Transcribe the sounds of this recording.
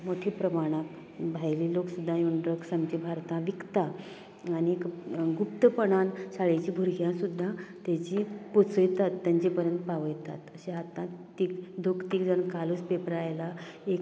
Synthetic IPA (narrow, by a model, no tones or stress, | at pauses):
moʈʰipɾəmaɽ̃ak | bʱajliːloksud̪ʱːãjunɖɾəksãmt͡ɕibʱaɾt̪ãʋikt̪a | aniekɡupt̪əpəɽ̃ansaɭejt͡ɕiːbʱuɾɡʱjãsud̪ʱːat̪at͡ɕipot͡səjt̪at̪ːjaɲt͡ɕipəɾənt̪paʋəjt̪a̰t̪əɕeɦat̪ãt̪iːkd̪ʱokt̪iːkd͡zənkaluspepəɾajlaek